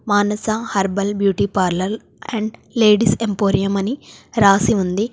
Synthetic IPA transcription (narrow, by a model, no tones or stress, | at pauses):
maːnɐsahɐɾbɐlbjuːʈiːpaːɾlɐl | ɛɳɖleːɖisempoːɾijɐmɐniɾaːsiund̪i